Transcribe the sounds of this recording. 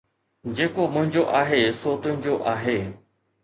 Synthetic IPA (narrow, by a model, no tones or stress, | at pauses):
d͡ʑeːkomʊ̃ɦɪ̃ɲd͡ʑoʔaːɦesoːt̪ʊ̃ɦɪ̃ɲd͡ʑoʔaːɦeː